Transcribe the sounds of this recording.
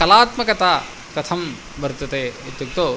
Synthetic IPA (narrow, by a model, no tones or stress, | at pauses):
kɐlaːt̪mɐkɐt̪aː | kɐt̪ʰɐm | bɐɾt̪ɐt̪eːɐt̪jɐk̚t̪oː